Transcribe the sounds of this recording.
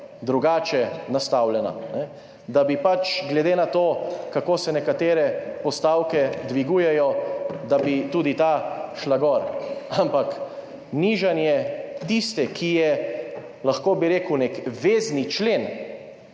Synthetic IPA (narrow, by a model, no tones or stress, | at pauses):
d̪ɾuɡaːt͡ʃɛnast̪awlɛna̰nɛ | d̪abipat͡ʃɡlɛd̪eːnat̪oːkakoːsɛnɛkat̪eːɾɛpɔst̪aːwkɛd̪ʋiɡuːjɛjɔd̪abit̪uːd̪it̪aʃlaɡɔɾampak | niʒanjɛt̪ist̪ɛkʰijɛ | laxkoːbiɾeːkuwnekʋeːznit͡ʃleːn